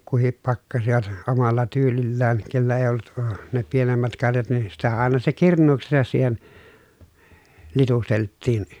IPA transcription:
kuhip pɑkːɑsiʋɑt omɑlːɑ tyːlilːæːn kelːæ eˑi̯ olːut əː ne pienemːæt kɑrjɑt niː sitæ ɑˑenɑ se kirnˑuːksesɑs siːhen litusteltːiːn

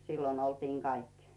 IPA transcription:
silːon oltiːŋ kɑikːi̥

